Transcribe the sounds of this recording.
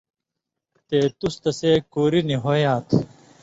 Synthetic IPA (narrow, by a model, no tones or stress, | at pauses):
t̪eːt̪ust̪ɐseːkuːɾiniɦoːjãːt̪ʰ